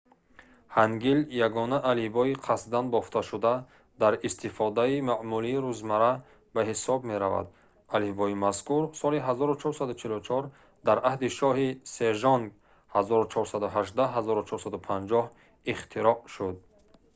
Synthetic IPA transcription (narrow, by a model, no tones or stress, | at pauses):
haŋɡiljaɡɔnaʔalibɔiqʰasd̪anbɔft̪ʰaʃud̪a | d̪aɾist̪ʰifɔd̪aimaʕmuliːɾuzmaɾa | baɦisɔbme̞ɾava̰d̪̚ | alihbɔimaskʰuɾsɔliɦazɔɾut͡ʃʰɔɾsad̪ut͡ʃʰilut͡ʃʰɔɾ | d̪aɾʔahd̪iʃɔhise̞ʒɔŋɡ | hazɔɾut͡ʃʰɔɾsad̪uɦaʒd̪aɦazɔɾut͡ʃʰɔɾsad̪upʰand͡ʒɔh | iχt̪ʰiɾɔʔʃud̪̚